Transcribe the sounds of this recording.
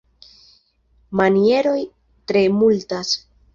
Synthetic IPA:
manie̞ɾo̞j | tɾe̞multas

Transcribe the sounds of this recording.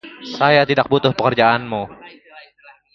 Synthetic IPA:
sajat̪idak̚but̪ʊhpəkərd͡ʒaanmu

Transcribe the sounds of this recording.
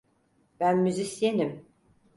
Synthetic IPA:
bænmyzisjenim

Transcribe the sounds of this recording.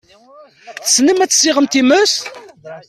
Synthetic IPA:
θəsːnəmæt͡sːə̥sɪʁəmt̪iməs

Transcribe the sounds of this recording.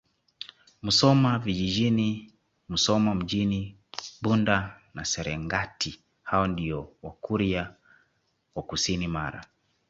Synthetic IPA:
musɔmavid͡ʒid͡ʒini | musɔmam̩d͡ʒini | ɓundanasɛɾɛŋɡati | haɔndiɔwakuɾia | wakusinimaɾa̰

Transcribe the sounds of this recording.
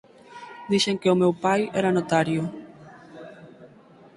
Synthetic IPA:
d̪iʃeŋkeʊmewpajɛɾanot̪aɾjʊ

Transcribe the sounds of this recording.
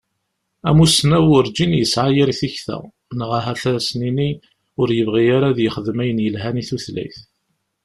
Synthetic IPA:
æmusnæwʊɾd͡ʒinjəsʕajiɾiθiçθæ̰ | nəʁaɦæθæsnini | ʊɾjəvʁijaɾaðjəχəðmæjənjəlɦæniθuθlæ̰jθ

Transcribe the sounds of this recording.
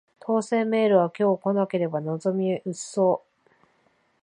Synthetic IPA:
t̪ʰo̞ːse̞ːme̞ːɾɯ̟β̞akʲo̞ːko̞nake̞ɾe̞banozo̞mʲiɯ̟sːo̞ː

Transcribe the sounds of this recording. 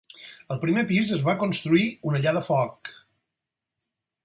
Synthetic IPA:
əlˠpɾimepizəzβakunst̪ɾuiunəʎaðəfɔk

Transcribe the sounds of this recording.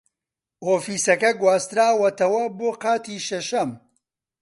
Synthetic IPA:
oːfiːsɐkɐɡwaːst̪ɾaːwɐt̪ɐwɐboːqaːt̪iːʃɐʃɐm

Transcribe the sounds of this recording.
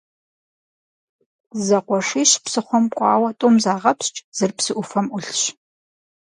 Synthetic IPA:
zɐqʷɔʂiːɕpsɨχʷɔmkʷʼɑːwɐtʼomzaːʁɐpst͡ʃʼz̥ɨrpsɨʔʊfɐmʔʷʊɬɕ

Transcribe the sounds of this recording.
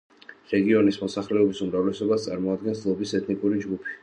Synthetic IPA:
ɾɛɡiɔnismɔsaχlɛɔbisumɾavlɛsɔbast̪sʼaɾmɔad̪̚ɡɛnslˠɔbisɛt̪ʰnikʼuɾid͡ʒɡupʰi̥

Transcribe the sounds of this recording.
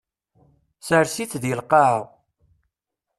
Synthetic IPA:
səɾsit͡sːðjəlqɑʕəʁ

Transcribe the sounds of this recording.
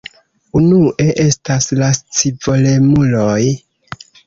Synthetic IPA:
unuʔe̞ʔe̞staslast͡sivo̞le̞muloj

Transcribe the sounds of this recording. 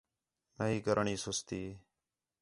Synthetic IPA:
məɦiːkəɾʔɳiːsʊst̪iː

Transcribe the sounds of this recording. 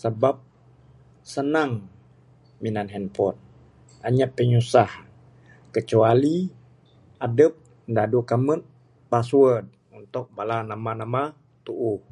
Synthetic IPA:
səbap̚ | sənaŋ | minanɦɛnpɔt̪̚ | aɲaʔpːəɲusah | kət͡ʃuali | adəp̚ | dadukamət̪̚ | pasuəd̚ | unt̪ʊk̚balanamanama | t̪uʔu

